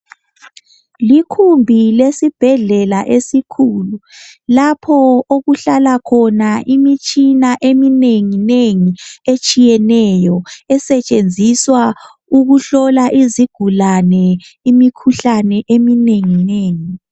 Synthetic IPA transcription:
likʰumbʱilesib̥ʱɛɮɛlaʔesikʰuːlulapʰɔoɣuɬalakʰɔnaʔimit͡ʃʼinaʔemineŋineŋiet͡ʃʼijɛnɛjɔɛsɛt͡ʃʼend͡zʱiswa | uɣuɬɔlaʔiziɡ̥ʱulanɛ | imikʰuɬanɛʔemineŋineːŋi

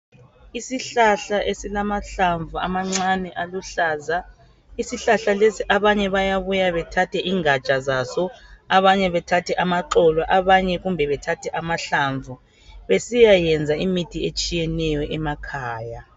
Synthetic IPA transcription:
isiɬaɬaʔesilamaɬaɱvʱua̰maŋ͡ǀanɛʔaluɬaːza | isiɬaɬalesiʔaβaɲɛβajaβujaβɛtʰatʰɛʔiːŋḁt͡ʃʼazasɔaβaɲɛβɛtʰatʰɛʔamaǃɔlwaʔaβaɲɛɣumbʱɛβɛtʰatʰɛʔamaɬaɱvʱu | βesijajɛnd͡zʱaimitʰiet͡ʃʼijɛnɛjɔʔɛmakʰaːja

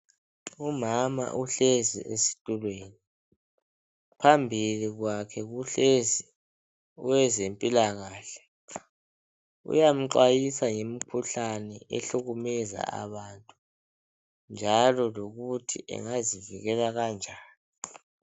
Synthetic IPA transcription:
umama̰ʔuɬezḭʔesi̥tʼulweːni | pʰambʱiliɣwakʰɛɣuɬezi | uwɛzempʼilaɣaːɬɛ̥ | ṵjam̩ǁwajisajemikʰuɬanɛʔḛɬuɣumɛza̰a̰βantʼu | nd͡ʒʱalɔloɣutʰḭʔɛ̰ŋaziviɣɛlaɣand͡ʒʱaːni

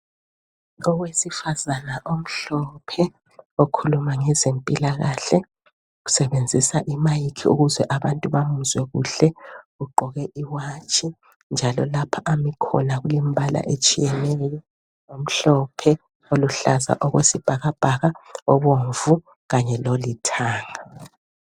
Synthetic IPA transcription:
ɔɣwesifazanaʔom̩ɬɔpʰɛ | okʰulumaŋɛzempʼilaɣaɬɛ | ɣu̥sɛβend͡zʱisaʔimajikʰiṵɣuzɛʔaβantʼuβamuzwɛɣuɬɛɣuɡ͡ǃʱɔɣɛʔiwat͡ʃʰʼi | nd͡ʒʱalɔlapʰaʔamikʰɔ̰laɣulimibala̰ʔet͡ʃʼijɛnɛjɔ | om̩ɬɔpʰɛ | oluɬaza̰ʔɔɣwesib̥ʱaɣab̥ʱaɣaɔβoɱvu | ɣaɲɛlolitʰaːŋa

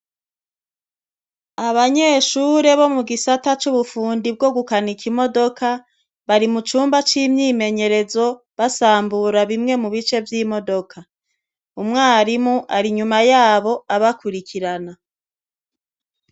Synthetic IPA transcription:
aβaɲe̞ːʃuːɾe̞βo̞muɡisatat͡ʃuβufuːndib̚ɡo̞ɡukanikʰimo̞do̞kʰa | βaɾimut͡ʃuːmbat͡ʃimɲiːme̞ɲe̞ɾe̞zo̞ | βasaːmbuɾaβimŋe̞muβit͡ʃe̞vjiːmo̞do̞kʰa | umŋaːɾimuʔaɾiɲumajaːβo̞aβakuɾikʰiɾana

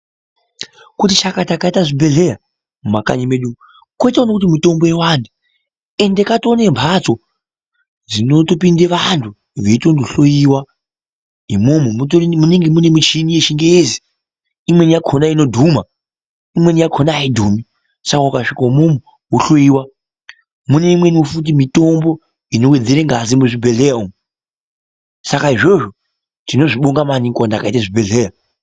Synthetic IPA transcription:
kutit͡ʃakatakaitaʐibʱe̞ɮeɾa | mumaka̰ɲimeɗu | kwoitaonakutimito̞mbojewandʱu | e̞ndekato̞ne̞mpʰat͡so̞ | d͡zino̞topindeʋantʰu | ʋeitondoɬojiwa | imumumuniŋɡemune̞mut͡ʃinije̞ʃiŋɡeezi | imwenijakʰonaino̞dʱuma | imwe̞nijakʰonaːidʱuːmi | sakaukaʂikaumomu | wuɬoiwa | mune̞imwe̞niwofut̬imito̞mbo | inowed͡zeɾeŋɡazimuʐibʱe̞ɮeɾaomu | sakaiʐo̞ʐo̞ | tino̞ʐiɓoŋɡamaniŋkandakaitaʐibʱe̞ɮeːra

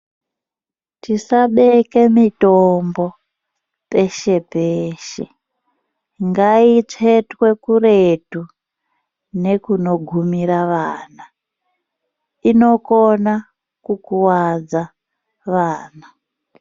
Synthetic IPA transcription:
tisaɓeke̞mitombo̞ | pe̞ʃe̞peːʃe̞̰ | ŋɡait͡ʂetwe̞kuretu | ne̞kuno̞ɡʱumiɾaʋaːna | ino̞ko̞na | kukuwad͡za | ʋaːna

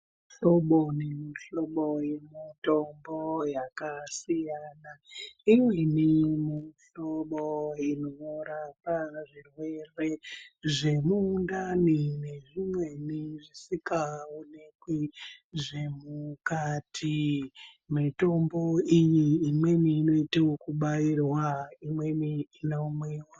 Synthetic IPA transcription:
ɬo̞ɓonemiɬo̞ɓojemito̞mbojakasijaːnaimwenimiɬoɓoinoʋoɾapaʐirwe̞re̞ʐe̞muːndanine̞ʐimwe̞niʐisikaunekwiʐe̞mukatʰi | mito̞mbo̞ijiːmwe̞niːno̞iteokuɓairwaimwe̞niinomwiːwa

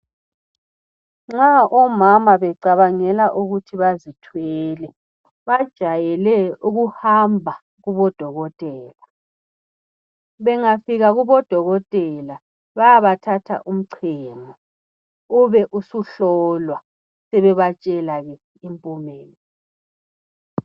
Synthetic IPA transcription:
ŋ͡ǁaʔɔmamaβɛǀaβaŋɛlaʔuɣutʰiβazitʰwɛːlɛ | βad̥ʒ̥ʱajɛlɛuɣuhambʱa | ɣuβɔd̥ʱɔɣɔtʼɛːla | βɛŋafiɣaɣuβɔd̥ʱɔɣɔtʼɛla | βajaβatʰatʰa̰ʔum̩ǀʰɛːmɔ | uβɛʔusuɬɔːlwa | sɛβɛβat͡ʃʼɛlaɣɛ | impʼumɛːlɛ

